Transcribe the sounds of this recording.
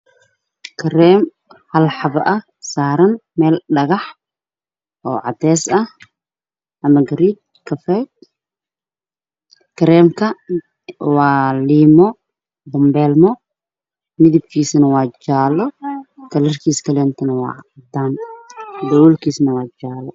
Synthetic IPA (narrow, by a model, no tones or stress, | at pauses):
kʰɐɾɛːm | hɐlħɑβɐʔɐh | saːɾɐnmɛːlɖɐɣɐħ | ʔɔːʕɑ̰t̪ɛːsɐh | ʔɐmɐɡɐɾiːt͡ʃ̚ | kʰɐfɛt | kʰɐɾɛːmkʰɐ | waːliːmɔ | bʊmbɛːlmɔ | mɪðib̚kʰiːsɐnɐwaːd͡ʒaːlɔkʰɐlɐrkʰiːskʰɐlɛːnt̪ʰɐnɐwɑ̰ːʕd̪aːnd̪ɐwuːlkʰiːsnɐwɑːd͡ʒaːlɔ